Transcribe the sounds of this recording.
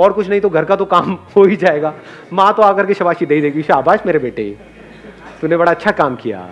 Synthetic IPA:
ɔːɾkʊt͡ʃʰnɐɦĩt̪oɡʱɐɾkat̪okaːmɦoːid͡ʒaːeːɡaː | mãːt̪oaːkɐɾkeʃɐbaːʃid̪eːid̪eːkɡiʃaːbʱaːʃmeːɾebeːʈe | t̪unebɐɽaɐtːʃʰakaːmkija̰ː

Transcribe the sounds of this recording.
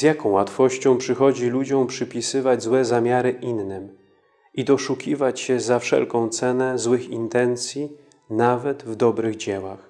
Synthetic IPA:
z̥jakɔ̃w̃wat̪fɔɕt͡ɕɔ̃w̃pʂɘxɔd͡ʑilud͡ʑɔ̃w̃pʂɘpʲisɘvad͡ʑzwɛzamʲjaɾɘʔinːɘm | id̪ɔʂukʲivat͡ɕɕɛzafʂɛ̰lkɔ̃w̃t̪sɛnɛzwɘxḭnt̪ɛnt̪sʲji | navɛt̪vd̪ɔbɾɘɣd͡ʑewax

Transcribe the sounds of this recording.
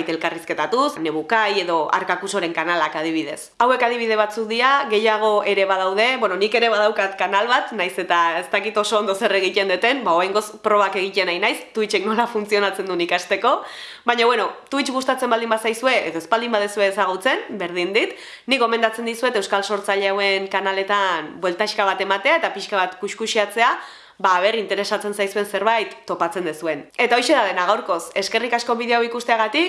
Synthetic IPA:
jt̪elkariske̞t̪at̪usne̞βukaje̞ðo̞a̰ɾkakuso̞ɾe̞ŋkanalakað̞iβ̞ið̞e̞sawe̞kaðiβ̞iðe̞β̞at͡suk̚ðiaɣe̞jaɣ̞o̞e̞ɾe̞βað̞awðe̞βweno̞nike̞ɾe̞βaðawkat̪kanalβat̪najse̞t̪ae̞st̪akit̪o̞so̞ːnd̪o̞se̞re̞ɣic̪e̞nd̪et̪e̞mbaoajŋɡo̞spɾo̞βake̞ɣ̞ic̪enajnajst̪uit͡ʃe̞kno̞lafunt͡sio̞nat͡se̞nd̪unikast̪e̞ko̞ | βaɲaβwe̞no̞t̪uit͡ʃɣust̪at͡se̞mbald̪imbasajsue̞ʔeðoespald̪imbaðesue̞ːsaɣ̞ut͡se̞nbe̞ɾðind̪it̪ | nikɡo̞me̞nd̪at͡se̞nd̪isue̞t̪e̞wskalso̞ɾt͡saʎeawe̞ŋkanale̞t̪anbwe̞lt̪aiʃkaβat̪e̞mat̪e̞ae̞t̪apiʃkaβat̪kuʃkuʃiat͡se̞a | βaːβ̞e̞ɾint̪e̞ɾe̞sat͡se̞nsajsue̞nse̞ɾβajt̪ːo̞pat͡se̞nd̪esue̞ne̞t̪ao̞jʃe̞ðaðenaɣawɾko̞se̞ske̞rikasko̞βiðeoawikust̪e̞aɣat̪ik

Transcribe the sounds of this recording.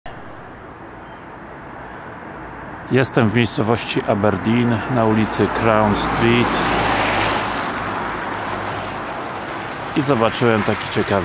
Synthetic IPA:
jɛst̪ɛmvmʲejst̪sɔvɔɕt͡ɕiʔabɛɾd̪ʲinnaulʲit̪sɘkɾawnst̪ɾʲit̪ | izɔbat͡ʂɘwɛmt̪akʲi̥t͡ɕɛkav

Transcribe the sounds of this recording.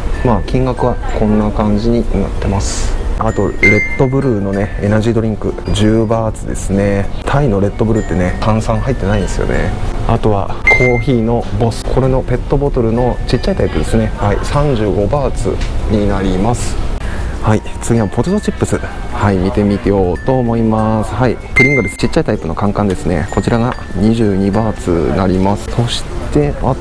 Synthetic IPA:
maːkʲĩŋɡakɯ̟βakõ̞nːakãɲ̟d͡ʑiɲ̟ina̰t̪ːe̞masɨ̥at̪o̞ɾe̞t̪ːo̞bɯ̟ɾɯ̟no̞ne̞enaʑiːd̪o̞ɾʲĩŋkɯ̟ʑɨːbaːt͡sɨd̪e̞̰sɨne̞t̪ʰaino̞ɾe̞t̪ːo̞bɯ̟ɾɯ̟t̪ːe̞ne̞kãɰ̃sãɰ̃ɦait̪ːe̞naĩnd̪esɨjo̞̰ne̞̰a̰t̪o̞βa̰kʰo̞ːçiːno̞bo̞sɨ̥kʰo̞ɾe̞no̞pe̞t̪ːo̞bo̞t̪o̞ɾɯ̟no̞t͡ɕit͡ɕːait̪aipɯ̟d̪e̞sɨne̞haisãɲ̟d͡ʑɨːɡo̞baːt͡sɨ̰ɲ̟inaɾʲimasɨ̥ | hait͡sɨɡʲimapo̞t̪ot̪ot͡ɕipːɯsɨhaimʲit̪e̞mʲit̪ejo̞ːt̪o̞ːmo̞imasɨ̥haipɯɾʲĩŋɡ̪oɾesɨ̥t͡ɕit͡ɕːait̪aipɯ̟no̞kãŋkãnd̪e̞sɨne̞̰ko̞t͡ɕiɾaɡa | ɲ̟iʑɨːɲ̟ibaːt͡sɨ̰naɾʲimasɨ̥so̞ɕi̥t̪e̞a

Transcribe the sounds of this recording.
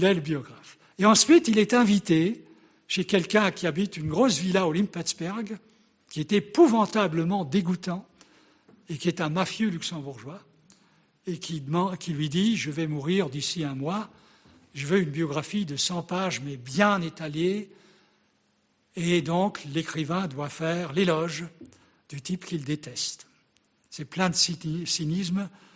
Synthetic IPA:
lɛləbjɔɡʁaf | eɑ̃sɥit̪ilɛt̪ɛ̃vit̪e | ʃekʲɛlkʲɛ̃kʲiabit̪ynɡʁosvilaolimpɛt̪sbɛʁɡ | kʲiet̪epuvɑ̃t̪abləmɑ̃d̪eɡut̪ɑ̃ | ekʲiɛt̪ɛ̃mafjølyksɑ̃buʁʒwa | ekʲʰimɑ̃kʲʰilɥid̪iʒəvɛmuʁiʁd̪isiɛ̃mwa | ʒəvøynbjɔɡʁafid̪əsɑ̃paʒmɛbjɛ̃net̪alje | ed̪ɔ̃klekχivɛ̃d̪wafɛʁlelɔʒ | d̪̥yt̪ipkʲild̪et̪ɛst̪ | sɛplɛ̃d̪əsisinism

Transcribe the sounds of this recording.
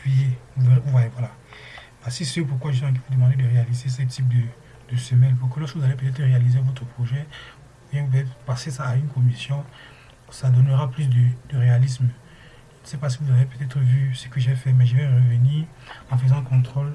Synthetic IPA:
pijevuvevũvwajevwala | vasisəpuʁkwaʒəswiɛ̃k̬evud̪əmɑ̃d̪ed̪əʁealizesɛt̪ʰip̚d̪ə | d̪̥əsəmɛlpuʁkəlɔʁskəvuzalepøt̪ɛt̪χəʁealizevɔt̪χəpχoʒɛ̃ | vjɛ̃vupətɛt̪χpasesaːynkɔmisjɔ̃ | sad̪ɔnəʁaplys̬d̪əd̪əʁealism | ʒʒnsɛpas̬ivuzavepøt̪ɛt̪χəvysə̥kəʒɛfɛmɛʒəvɛʁəvəniːʁ | ɑ̃fəzɑ̃kɔ̃t̪χol

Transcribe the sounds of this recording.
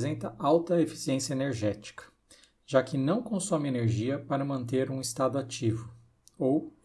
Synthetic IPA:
zẽnt̪ɐʔawt̪ɐefi̥siẽsjɐeneɾʒɛt͡ʃi̥kɐ̥ | ʒ̥akɪnɐ̃w̃kõsɔ̃mɪeneɾʒiɐpaɾɐmɐ̃nt̪eɾũist̪ad̪ʊat͡ʃivʊ | ow

